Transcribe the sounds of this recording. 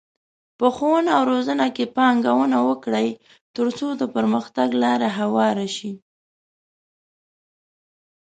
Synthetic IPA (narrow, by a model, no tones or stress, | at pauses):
pəxonaːwɾozənakepɑŋɡawənawəkɽaj | t̪əɾt͡sod̪əpəɾməxt̪aɡlɑɾaɦawɑɾaʃi